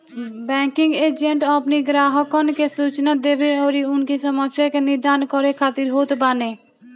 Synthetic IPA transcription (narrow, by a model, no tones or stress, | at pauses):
bɛ̃ːŋkɪ̃ŋɡeːd͡ʒəɳʈɔpniɡɾaːɦəkonkesuːt͡ʃnad̪eːʋeɔːɾiʊnkisəməsjakenɪɾd̪aːnkɔɾekʰaːt̪iɾɦoːt̪baːneː